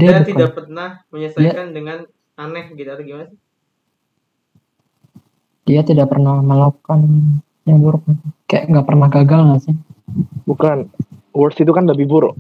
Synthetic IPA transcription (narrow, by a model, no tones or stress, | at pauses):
diabut̪ikadapərnahməɲəsaiakandəŋan | anɛhɡit̪uaɾaɡimanasɪ | d̥iat̪idaʔpərnahməlakan | ɲabuɾʊk̚nasɪkajaʔŋɡaʔpərnahɡaɡalnasɪ | bukanwərsit̪̬ukandabibʊɾ